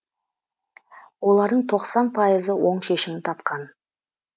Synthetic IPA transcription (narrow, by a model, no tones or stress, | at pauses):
wo̞lˠɑɾd̪əɴt̪ʰo̞qsɑnpʰɑjəzəwo̞ɴʃe̞ʃɪmɪnt̪ʰɑt̪qɑn